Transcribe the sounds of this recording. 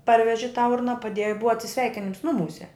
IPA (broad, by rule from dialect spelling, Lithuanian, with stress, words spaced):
ˈpɐrʲʋʲɛʒʲɪ tɑː ˈʊrnɐ pɐˈdʲeːjʊ ɪ ˈbʊʋoː ɐtʲsʲɪˈsʲʋʲɛɪkʲɪnʲɪms ˈnʊmuːsʲɛ